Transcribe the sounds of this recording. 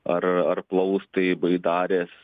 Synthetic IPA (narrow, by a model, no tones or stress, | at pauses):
ɐɾɐrplˠɐʊst̪ɐɪbɐɪd̪ɑːɾʲeːs